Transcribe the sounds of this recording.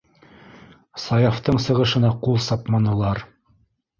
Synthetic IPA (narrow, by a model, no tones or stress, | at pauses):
sɑjɑft̪ɤɴsɤ̆ʁɤ̆ʃɤ̆nɑqulˠsɑpmɑnɤ̆lˠɑɾ